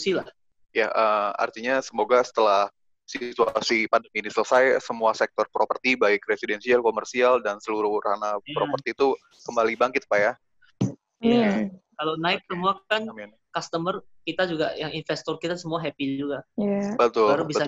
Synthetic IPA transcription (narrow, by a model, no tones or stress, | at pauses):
usilah | jaʔəa̰rt̪iɲasəmoɡasə̥t̪əlah | sit̪uasipandəminisələsajsəmuasɛk̚t̪ɔrpɾopərt̪ibaɪk̚ɾesidɛnsialkomərsialdansəluɾʊhranapɾopərt̪iːt̪u | kəmbalibaŋkɪt̪̚paja | kalonaɪk̚əmuakanmn | kast̪əmər | kit̪ad͡ʒuɡajaŋinfɛst̪ɔrkit̪asəmuaɦɛpid͡ʒuɡabət̪ʊlaɾubisa